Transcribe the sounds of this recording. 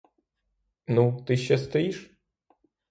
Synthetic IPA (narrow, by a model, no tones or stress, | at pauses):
nut̪ɪʃʲːɛst̪ɔjiʃ